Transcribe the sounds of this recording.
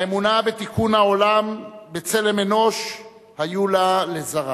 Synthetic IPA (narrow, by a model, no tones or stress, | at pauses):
emunabe̞t̪ikunhao̞lambe̞t͡se̞lemeno̞ʃ | hajulalezaʁa